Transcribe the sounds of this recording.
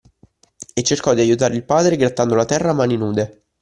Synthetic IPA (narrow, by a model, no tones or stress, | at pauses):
et͡ʃːerkɔd̪iajut̪aːɾeilpaːd̪ɾeɡɾat̪ːand̪olat̪ɛrːamaːninuːd̪e